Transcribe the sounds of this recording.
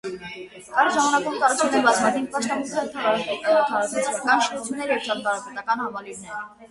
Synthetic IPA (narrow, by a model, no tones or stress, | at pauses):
kɑɾʒɑmɑnɑkumt̪ɑɾɑt͡sʰunɛɾbɑt͡sʰmɑd̪inpɑʃt̪ɑmukʰɑhɛɾt̪ʰɑɾɑɾɑkɔɾk̪ɛɔt̪ʰɑɾɑkʰɛt͡skɑnʃɔɾut͡sʰjunːɛɾjɛvt͡ʃʰɑt̪t̪ɑɾɑpɛt̪ɑkɑnhɑmɑliɾnɛɾə